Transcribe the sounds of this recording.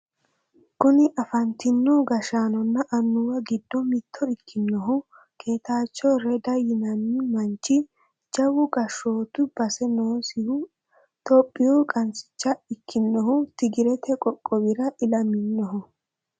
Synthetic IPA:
kʊnɪʔɐfɐnt̪ɪnːɔɡɐʃaːnɔnːɐʔɐnːʊwɐɡɪd̪ːɔmɪt̪ʰːɔɪkʰːɪnːɔɦʊ | kʰe̞ːt̪aːt͡ʃːɔɾɛd̪ɐjɪnɐnːɪmɐnt͡ʃːɪ | d͡ʒɐwʊɡɐʃo̞ːt̪ʊb̥ɐsɛnoːsɪhʊ | t̪ɔpʼːɪjɔkʼɐnt͡sɪ̥t͡ʃːɐɪkːɪnːɔhʊt̪ɪɡɪɾɛt̪ʰɛkʼɔkʼːɔwɪɾɐʔɪlɐmɪnːɔɦʊ

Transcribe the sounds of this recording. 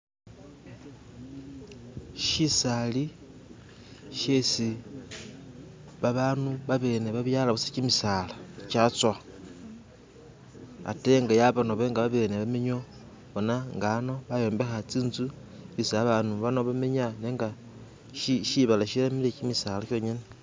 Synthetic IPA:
ʃisali | ʃesi | βaβaːnuβaβe̞ːne̞βaβjalaβusacimisalacat͡swa | a̰te̞ŋɡajaβano̞βe̞ŋɡaβaβe̞ːneβamiɲo | βonaŋɡano̞βajo̞ːmbe̞xat͡siːnzu | isaβaːnuβano̞βameɲaneŋɡa | ʃiʃiβalaʃilamilecimisaːlaʃo̞ːɲene

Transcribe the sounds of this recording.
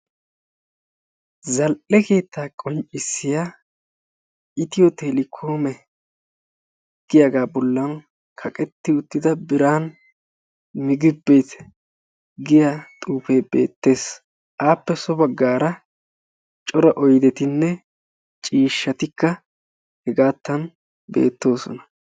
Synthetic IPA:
zɐlʔɛke̞ːt̪ːaːkʼɔnt͡ʃʼɪsːɪja | ɪt̪ɪjɔt̪eːlɪkʰoːmɛ | ɡ̥ɪjaɡaːbɔlːɐn | kʰɐkʼɛt̪ːɪʊt̪ːɪd̪ɐbɪɾaːn | mɪɡɪbːe̞ːt̪ | ɡɪjat̪ʼuːfeːbeːt̪ːe̞ːs | ʔaːpːɛsɔbɐɡːaːɾɐ | t͡ʃʼɔɾɐʔɔjd̪ɛt̪ɪnːɛ | t͡ʃʼiːʃːɐt̪ɪkːɐ | hɛɡaːt̪ːɐn | be̞̰ːt̪ːo̞ːsɔ̰nɐ

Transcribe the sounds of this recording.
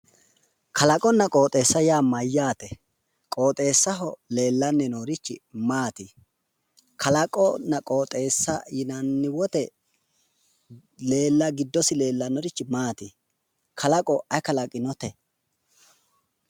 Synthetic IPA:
kʰɐlɐkʼɔnːɐkʼo̞ːt̪ʼe̞ːsːɐjaːmɐjːaːt̪ɛ | kʼo̞ːt̪ʼe̞ːsːɐɦɔle̞ːlːɐnːɛnoːɾɪt͡ʃːɪmaːt̪i | kʰɐlɐkʼɔnɐkʼoːt̪ʼe̞ːsːɐjɪnɐnːɪwɔt̪ɛ | le̞ːlːɐɡɪd̪ːɔsɪle̞ːlːɐnɔɾɪt͡ʃːɪmaːt̪i | kʰɐlɐkʼɔʔɐjkɐlɐkʼɪnɔt̪ɛ

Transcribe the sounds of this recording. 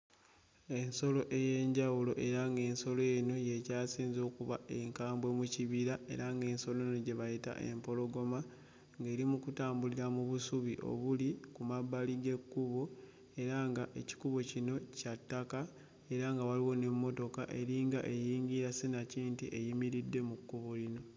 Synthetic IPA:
e̞nso̞lo̞ʔe̞je̞ɲɟawulo̞ʔe̞ɾaŋɡe̞ːnso̞lo̞jeno̞je̞caːsiːnzo̞ːkuβa̰e̞ŋkaːmbwe̞muciβiɾae̞̰ɾaŋɡe̞ːnso̞lonoɟe̞βajita̰ʔe̞̰mpo̞lo̞ɡo̞ma | ŋɡe̞ːɾimukutaːmbuliɾamuβusuβiʔo̞̰βulikumaβːaliɡe̞kːuβo̞ | e̞ɾaŋɡaʔe̞ci̥kuβo̞cino̞catːaka | e̞ɾaŋɡawaliwo̞nemːo̞to̞kaʔe̞ɾiŋɡaʔe̞jiːŋɡiɾasenaciːntḭʔe̞jimiɾidːe̞mukːuβolino̞

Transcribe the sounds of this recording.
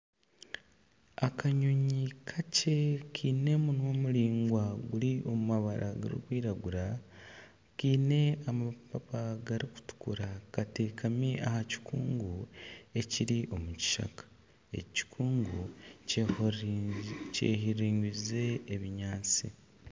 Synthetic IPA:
akʰaɲoɲikʰace̞kʰiːne̞munwo̞ːmuɾiːŋɡwaɡuliʔo̞mumaβaɾʔa̰ɡa̰ɾḭkwiːɾaɡuɾa | kiːne̞amapapaɡaɾiku̥tu̥kuɾakate̞ːkʰamiʔa̰haci̥kuːŋɡue̞ciɾiʔo̞muci̥ʃa̰kḁ | e̞̰ci̥kʰuːŋɡu | cḛhiɾiːɲɡize̞ːβiɲaːt͡sḭ

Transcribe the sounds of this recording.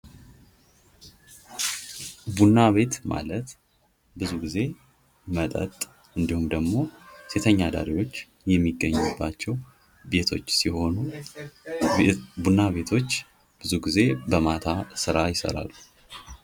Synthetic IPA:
bunːaβe̞t̪ma̰lət̪ | bɨzuɡize̞ | mət̪ʼə̰t̪ʼ | ɨnd̪ihumd̪əɡmo̞se̞t̪ʰəɲːad̪a̰ɾiwo̞t͡ʃː | jɛmːiɡːəɲːubːat͡ʃːɛw | be̞t̪ʰo̞t͡ʃːsiho̞nu | bunːaβe̞t̪ʰo̞t͡ʃː | b̥ɨzuɡize̞bəmat̪ʰasɨɾajɪsə̰ɾa̰lːu

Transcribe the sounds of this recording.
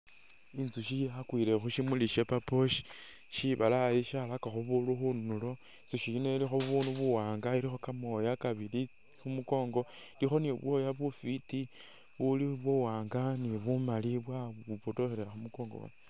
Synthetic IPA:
inzuʃiakwiːle̞xuʃimuliʃepapo̞ʃi̥ | ʃiβalajeʃalakaxuβuluxunnulo̞ | int͡suʃiinelixoβunuβuwaːŋɡailixo̞kamojakaβili | xumuko̞ːŋɡo̞ilixo̞niβwojaβufiti | βuliβwuwaːŋɡaniβumaliβwaβupotoxeɾeaxumuko̞ːŋɡo̰o̰na

